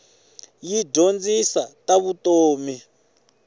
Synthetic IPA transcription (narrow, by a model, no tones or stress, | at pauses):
jiɟond͡zisataβutoːmi